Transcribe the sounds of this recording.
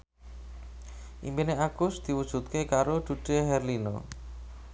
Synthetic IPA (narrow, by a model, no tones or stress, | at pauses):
ʔḭmbeneaɡ̥ʊsd̪̥i̤wud̥ʒ̥ṳt̪̚kekaɾoɖ̪̥ṳɖ̪̥eɦɛrlinɔ̰